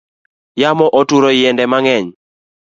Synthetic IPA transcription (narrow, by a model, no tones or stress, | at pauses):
jamɔʔɔtuɾɔjɛndɛmaŋɛɲ